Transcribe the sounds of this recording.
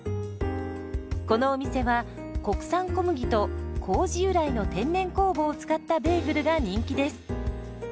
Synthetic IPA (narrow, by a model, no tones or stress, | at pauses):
ko̞no̞ːmʲise̞βa | ko̞kɯ̟̥sãŋko̞mɯ̟ɡʲit̪o̞kʰo̞ːʑiɯ̟ɾaino̞t̪ẽ̞nːẽ̞ŋko̞ːbo̞ːt͡sɨ̥kat̪ːabe̞ːɡɯ̟ɾɯ̟ɡaɲ̟ĩŋkʲid̪e̞sɨ̥